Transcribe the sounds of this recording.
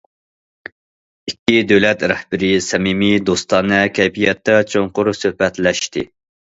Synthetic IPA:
ikʲːid̪øwlɛt̪ɾɛhbɪɾɪsɛmimid̪ost̪ɑnɛkʲʰɛjpʰijɛt̪ːɛt͡ʃʰoŋqʊɾsøhbɛt̪lɛʃt̪ɪ

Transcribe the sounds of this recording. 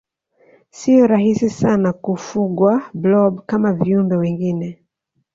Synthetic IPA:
sijɔɾahisisanakufuɡwablɔbkamaviumbɛwɛŋɡinɛ

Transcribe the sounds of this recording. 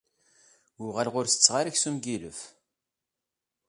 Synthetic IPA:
ʊʁælʁʊɾθə̥t͡sːʁaɾæçsumɡilə̰f

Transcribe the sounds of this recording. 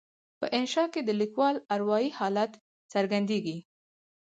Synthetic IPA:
pə̰ʔɪnʃɑked̪əlikwɑlaɾwɑjihɑlat̪ | saɾɡand̪eɡi

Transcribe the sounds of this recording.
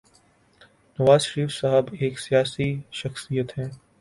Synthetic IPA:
nɐʋaːzʃəɾiːfsaɦəbeːksijaːsiʃɐxsijət̪ɦɛ̃ː

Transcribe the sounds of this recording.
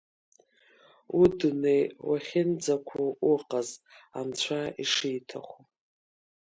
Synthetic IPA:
udunejwaχʲɪnd͡zakʷʰuuqʼazant͡ɕʷʰaiʂijtʰa̰χʷu

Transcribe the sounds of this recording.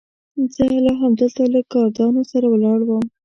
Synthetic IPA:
zəlɑɦamd̪əlt̪aləkɑɾd̪ɑnosaɾawəlɑɽwəm

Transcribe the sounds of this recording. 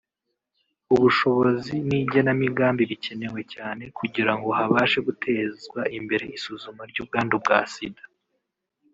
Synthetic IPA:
uβuʃo̞βo̞ziniɟanamiɡaːmbiβice̞ne̞we̞caːne̞kuɟiɾaŋɡo̞ɦaβaːʃe̞ɡutʰe̞ːzɡwaʔimbe̞ɾe̞isuzumaɾɟuːb̚ɡaːndub̚ɡa̰ːsidḁ

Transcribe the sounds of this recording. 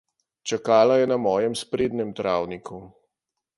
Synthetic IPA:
t͡ʃakaːlajɛnamɔːjɛmspɾeːd̪nɛmt̪ɾaːwnikʰu

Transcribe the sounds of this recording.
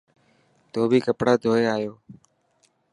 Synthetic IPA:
t̪oːbʱiːkəpɽaːd̪ʱoːeːaːjoː

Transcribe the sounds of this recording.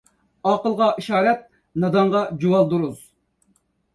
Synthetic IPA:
ɑqəlˠʁɑʔiʃɑːɾɛt̪̚ | nɑd̪ɑɴʁɑd͡ʒuwɑlˠd̪uɾuz

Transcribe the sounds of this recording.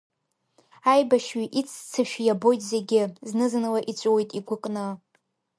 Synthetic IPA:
ajbaʃɥiʔit͡sʰt͡sʰɨʃᶣjabo̞jtʼze̞ɡʲɪznɨznɨlaʔit͡ɕʷʼwejtʼiɡʷʊkʼnɨ

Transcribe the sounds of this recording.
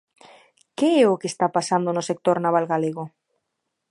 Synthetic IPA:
keɛokest̪apasand̪onʊsek̚t̪oɾnaβalɣaleɣo

